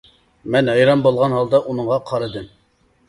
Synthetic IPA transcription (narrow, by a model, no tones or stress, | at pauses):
mɛnɑjɾɑmbolˠʁɑnɦɑlˠd̪ɑʔunɨŋʁɑqʰɑɾɨd̪ɨm